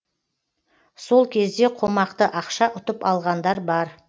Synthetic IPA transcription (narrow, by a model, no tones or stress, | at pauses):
so̞lˠkʲʰe̞zd̪e̞qʰo̞mɑqt̪əʔɑqʃɑʔʊt̪əpɑlˠʁɑnd̪ɑɾbɑɾ